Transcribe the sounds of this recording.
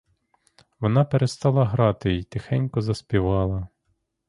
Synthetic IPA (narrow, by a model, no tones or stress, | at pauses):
ʋɔnɑpeɾest̪ɑlˠɐɦɾɑt̪ɪit̪exɛnʲkɔzɐspʲiʋɑlˠɐ